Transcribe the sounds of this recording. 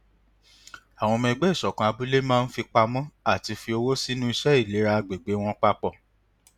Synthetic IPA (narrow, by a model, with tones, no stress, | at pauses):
a˨w̃ɔ̃˧mɛ̃˧ɡ͡bɛ˦i˦˨ʃɔ˨kã˨a˧bu˦le˦mãː˦˧n̩˦fi˧k͡pa˧mɔ̃˦a˦˨ti˧fi˧o˧wo˦si˦nũ˦i˧ʃɛ˦i˦˨le˨˦ɾa˧ɡ͡be˨ɡ͡be˨˦w̃ɔ̃˦k͡pa˦k͡pɔ˦˨